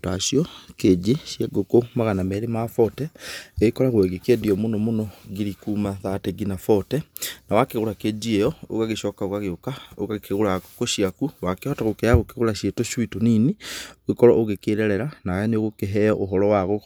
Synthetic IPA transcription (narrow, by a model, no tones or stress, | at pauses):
taʃjɔked͡ʒeʃjeɡokomaɣanamɛɾemafɔtɛɣekɔɾaɣwɛɣekediɔmonɔmonɔɣiɾikuːmaðateɡinafɔtɛnawakeɣoɾaked͡ʒiejɔo̰ɣaɣeʃɔkaoɣaɣeokaoɣaɣekeɣoɾakoʃiakuwakehɔtaɣokɛaɣokeɣoɾaɕjetoʃwitoninioɣekɔɾɔ̰ʔoɣekeːɾɛɾɛɾanaaneoɣokeɦɛɔʔoɦɔɾɔwaɣo